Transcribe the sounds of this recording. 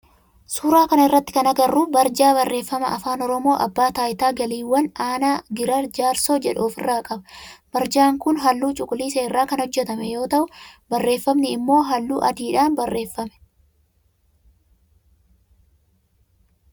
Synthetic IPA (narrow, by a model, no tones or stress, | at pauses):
suːɾaːkɐnɐɪrːɐt̪ːɪ̥kɐnɐɡɐrːʊbɐɾd͡ʒaːβɐrːe̞ːfːɐmɐɐfaːnɔɾɔmo̞ːʔɐ̰bːaːt̪aːjɪt̪aːɡɐliːwːɐnaːnaːɡɪɾɐd͡ʒaːɾso̞ːd͡ʒɛᶑoːfɪrːaːkʼɐbɐbɐɾd͡ʒaːŋkʊnɦɐlːuːt͡ʃʼʊkʼʊliːseːɪrːaːkɐnɔd͡ʒːɛt̪ɐmɛjo̞ːt̪ɐʔʊbɐrːe̞ːfːɐmnɪɪmːo̞ːɦɐlːuːʔɐ̰d̪iːᶑaːnbɐrːe̞ːfːɐmɛ̥